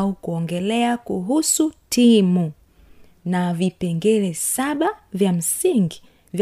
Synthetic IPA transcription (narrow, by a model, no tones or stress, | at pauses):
ukuɔŋɡɛlɛakuɦusutʰimu | navipɛŋɡɛlɛsaɓavjam̩siŋɡi | vj